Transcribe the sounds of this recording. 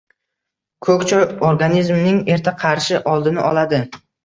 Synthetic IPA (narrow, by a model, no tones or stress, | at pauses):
kʰɵkʲt͡ʃʰajoɾɡanizmnɪŋe̞ɾt̪ʰaqʰɑɾʃɪʔɒlˠd̪ɪnɪʔɒlˠad̪ɪ